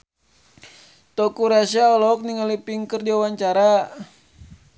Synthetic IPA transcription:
t̪ɔkuɾasiaɔlɔk̚niŋalipiŋkərdiawaɲt͡ʃaɾa

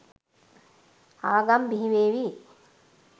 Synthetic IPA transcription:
aːɡambiɦiʋeːʋi

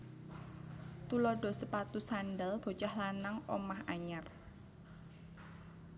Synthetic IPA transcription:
t̪ulɔɖ̥ɔ̤səpat̪usanɖəlb̥o̤t͡ʃahlanaŋɔ̰mahaɲar

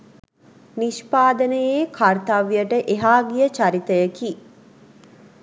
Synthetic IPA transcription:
niʃpaːd̪ənəjeːkʰart̪aʋijəʈəʔeɦaːɡijət͡ʃaɾit̪əjəki

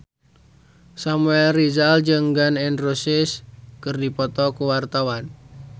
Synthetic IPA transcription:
samuɛlrizald͡ʒɨŋɡanɪnrosɪskɨrdipɔt̪ɔkuwart̪awan

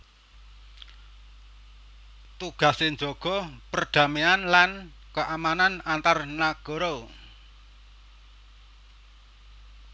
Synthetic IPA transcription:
t̪uɡ̥a̤senɲd͡ʒɔɡ̥ɔ̤pərɖ̥ä̤meanlan | kəʔamananant̪arnaɡ̥ɔ̤ɾo

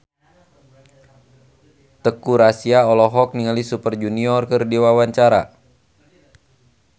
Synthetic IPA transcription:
t̪əkuɾasiaɔlɔɦɔk̚niŋalisupərd͡ʒuniɔrkərdiwawaɲt͡ʃaɾa̰

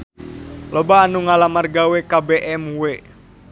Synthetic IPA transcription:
lobaːnuŋalamarɡawekabeʔɛmuwe

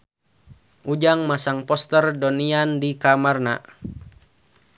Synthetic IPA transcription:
ʔud͡ʒaŋmasaŋpɔst̪ərdɔniandikamarna̰

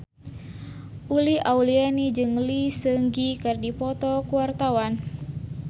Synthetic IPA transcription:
ʔuliaulianid͡ʒɨŋlisəŋɡikərdipɔt̪ɔkuwart̪awan

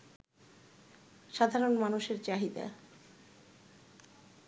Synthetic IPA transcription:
ʃad̪ʱaɾonmanuʃeɾt͡ɕaɦid̪a̰

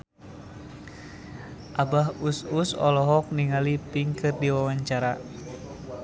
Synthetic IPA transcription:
ʔabaɦususɔ̰lɔɦɔk̚niŋalipiŋkɨrdiwawaɲt͡ʃaɾa

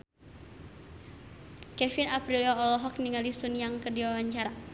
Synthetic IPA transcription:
kɛfinapɾilɔːlɔɦɔk̚niŋalisunjaŋkədiwawaɲt͡ʃaɾa

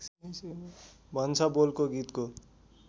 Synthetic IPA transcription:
bʱʌnt͡sʰabolkoɡit̪ko

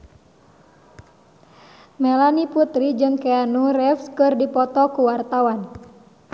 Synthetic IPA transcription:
mɛlaniput̪ɾid͡ʒɨŋkɛanurɛfskɨrdipɔt̪ɔkuwart̪awan

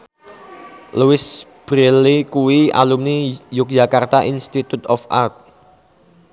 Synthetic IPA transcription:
luwɪsb̥ɾelikuwia̰lumnijʊk̚d͡ʒakart̪aʔinst̪it̪ut̪ɔfa̰rt̪̚

